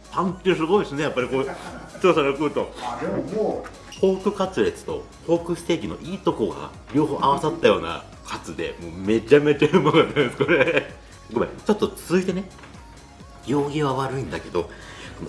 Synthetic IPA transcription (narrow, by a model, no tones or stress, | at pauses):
pãŋkʲːes̬ɨɡo̞isɨne̞japːaɾikoːt͡ɕo̞ːsaɡakɯːt̪o̞ | ho̞ːkɯ̟kat͡sɨɾe̞t͡sɨ̥t̪o̞̰ | ho̞ːkɯ̟st̪e̞ːkʲino̞̰ʔiːt̪o̞koɡa̰ | ɾʲo̞ːɦo̞ːʔaβasat̪ːajo̞ːna̰ | kʰat͡sɨd̪e̞̰mo̞ːme̞t͡ɕame̞t͡ɕaɯmokat̪ːãesɨ̥koɾe | bokɯmat͡ɕo̞t̪ːo̞t͡sɨzɨit̪e̞ne̞ | jo̞ːɡʲiβaβaɾɯ̟ĩnd̪ake̞d̪o̞̰son